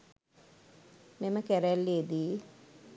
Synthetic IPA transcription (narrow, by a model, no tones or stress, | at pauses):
meməkæɾælːied̪iː